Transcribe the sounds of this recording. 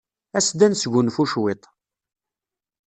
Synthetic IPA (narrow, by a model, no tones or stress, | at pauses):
æsd̪ænsʝʷʊnfuʃwɪt̪ˤ